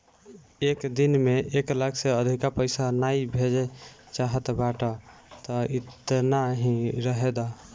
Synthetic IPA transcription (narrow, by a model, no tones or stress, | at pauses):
ekd̪inmeʔeklakʰseəd̪ʱikapəjsanaibʱed͡ʒɛ | t͡ʃaɦət̪baʈat̪ɔitt̪naɦĩɾəɦed̪a